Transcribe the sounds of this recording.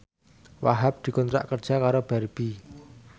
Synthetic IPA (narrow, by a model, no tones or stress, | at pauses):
wa̰ɦap̚d̪̥i̤kɔnt̪ɾa̰ʔkərd̥ʒ̥a̤kaɾob̥ɛrb̥i